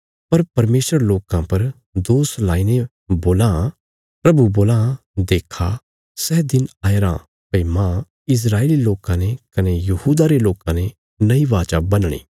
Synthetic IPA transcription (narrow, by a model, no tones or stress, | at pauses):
pɐɾpɐɾmeːsəɾloːkãpɐɾ | d̪oːslaːine | boːlã | pɾɐbuboːlã | d̪eːkʰa | sɛːd̪ɪnaːeɾã̰ | pɐimã | ɪs̬ɾaːeːliloːkãnekɐnejɐhuːd̪aɾeloːkãne | nɐiʋaːt͡ʃaːbɐnɽ̃ḭː